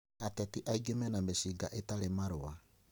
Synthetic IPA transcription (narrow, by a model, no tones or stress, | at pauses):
atɛtiʔaiɡemɛnamesiɡaʔetaɾemaɾoa